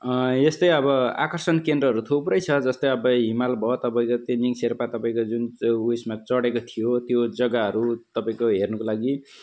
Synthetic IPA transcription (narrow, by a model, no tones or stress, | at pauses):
est̪ʌjʌbʌa̰kʌrsʌnkend̪rʌɦʌɾut̪ʰuprʌjt͡sʰʌd͡zʌst̪ʌjʌbʌɦimalbʱʌt̪ʌpaĩkot̪eniŋserpat̪ʌpaĩkod͡zunusmat͡sʌɽekot̪ʰijot̪jod͡zʌɡaɦʌɾut̪ʌpaĩkoɦernʌkolaɡi